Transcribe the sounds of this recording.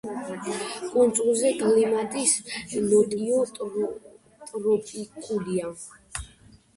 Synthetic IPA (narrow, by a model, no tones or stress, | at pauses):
kʼunt̪sʼulˠzɛkʼlimat̪ʼislɔt̪ʼiɔ | t̪ʼɾɔpʼikʰʼud̪ia